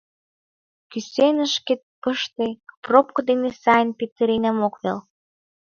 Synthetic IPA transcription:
kysenə̆ʃket̪̚pəʃt̪eprop̚kŏd̪enesɑjənpet̪əɾenəmokβḛl

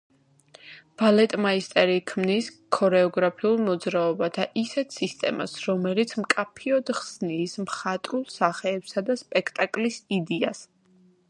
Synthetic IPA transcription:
b̥alɛt̪ʼmaist̪ʼɛɾikʰmnis | kʰɔɾɛɔɡɾapʰiulˠmɔd̪zɾaɔbat̪ʰaʔisɛt̪ʰsist̪ʼɛ̰ma̰sɾɔmɛlit̪sʰmkʼapʰiɔd̪χsniːsmχat̪ʼɾulˠsaχɛːbsad̪aspʼɛkʰt̪ʼakʼlisid̪ias

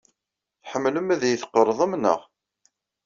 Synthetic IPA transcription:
ħəmːləmæðjəθqːəɾˤðˤəmnə̰ʁ

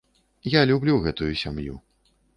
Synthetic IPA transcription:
jalʲublʲuɣɛt̪ujusʲamjṵ

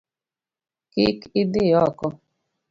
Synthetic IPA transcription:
kɪkɪd̪ɪjɔkɔ

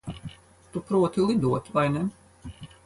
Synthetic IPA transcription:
t̪upɾuɔt̪ilˠid̪uɔt̪vajnɛ

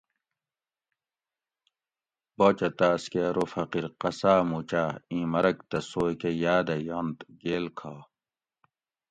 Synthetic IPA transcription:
boːt͡ɕɐt̪aːskeɾofɐqiɾqɐsaːmut͡ɕaːĩːmɐɾɐkt̪ɐsoːjkejaːd̪ɐjont̪ɡeːlkʰaː

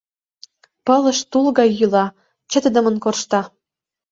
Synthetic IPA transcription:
pɤlə̆ʃt̪ulɣɑjːylɑ | t͡ɕə̆t̪ə̆d̪ə̆mə̆nkorʃt̪ɑ

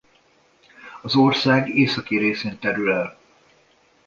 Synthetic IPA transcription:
ɒzorsaːɡeːsɒkiɾeːseːnt̪ɛɾylɛl

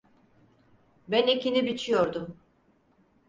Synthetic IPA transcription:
bɛnicinibit͡ʃʰijo̞ɾd̪um

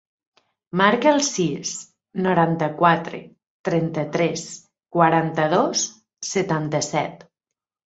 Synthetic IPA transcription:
maɾkəlˠsis | noɾant̪əkwat̪ɾḛ | t̪ɾɛnt̪ət̪ɾɛs | kwaɾant̪əð̞os | sət̪ant̪əsɛt̪

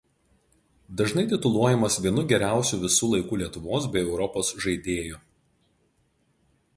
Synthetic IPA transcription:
d̪ɐʒnɐɪt̪ʲɪt̪ʊlˠuɔjɛmɐsʋʲiɛnʊɡʲɛɾʲæˑʊsʲuːʋʲɪsuːlˠɐɪkuːlʲiɛt̪ʊʋoːs̬bʲɛɪɛʊɾɔpoːsʒɐɪd̪ʲeːju

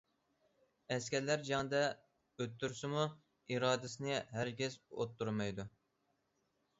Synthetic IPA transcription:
ɛskʲɛɾlæɾd͡ʒɑŋd̪ɛ | øt̪ːyɾsɪmu | iɾɑːd̪ɪsɪnɪɦæɾɡʲɛzo̰t̪ːuɾmɑjd̪u

